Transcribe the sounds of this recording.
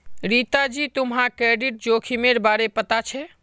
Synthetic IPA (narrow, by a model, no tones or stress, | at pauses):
ɾit̪ad͡ʒit̪umɦãkɾeɖiʈ̚d͡ʒokʰimeɾbaɾepət̪at͡ʃʰɛ